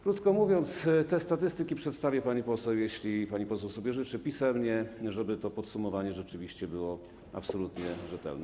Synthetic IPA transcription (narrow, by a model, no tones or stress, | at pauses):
kɾut̪kɔmuvʲjɔnt̪st̪ɛst̪at̪ɘst̪ɘkʲipʂɛt̪st̪avʲjɛpaɲipɔsɛwjeɕlʲipaɲipɔsɛwsɔbʲjɛʐɘt͡ʂɘpʲisɛmɲɛʐɛbɘt̪ɔpɔt̪sumɔvaɲɛʐɛt͡ʂɘvʲiɕt͡ɕɛbɘwɔ | a̰psɔlut̪ɲɛʐɛt̪ɛ̰lnɛ